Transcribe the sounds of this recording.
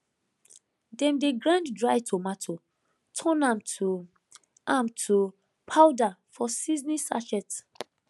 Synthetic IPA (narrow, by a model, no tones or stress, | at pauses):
dɛ̃mdeɡɹãnddɹajtʰomatʰo | tʰɔ̃nãmtʰu | ãmtʰu | pʰawdafɔsiznisa̰t͡ʃɛt